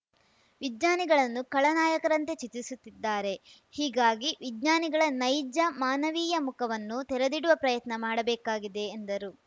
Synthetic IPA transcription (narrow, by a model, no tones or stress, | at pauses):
ʋid̪ɲaːniɡɐɭɐnːukɐɭɐnaːjɐkɐɾɐnt̪e̞t͡ʃit̪ːisut̪ːid̪ːaːɾe̞ | hiːɡaːɡiʋidɲaːniɡɐɭɐnɐjd͡ʒɐmaːnɐʋiːjɐmukʰɐʋɐnːut̪ɛɾed̪iɽuʋɐpɾɐjɐt̪nɐmaːɽɐbɛːkaːɡid̪e̞ːnd̪ɐɾu